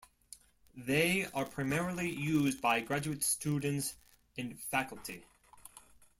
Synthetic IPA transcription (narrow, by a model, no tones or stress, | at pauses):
ðeɪə˞pʰɹ̥aɪmɛɹl̩ˠijuzbaɪɡɹæd͡ʒʉɨtstudⁿn̩ts | ɨ̃nfækl̩ˠtʰi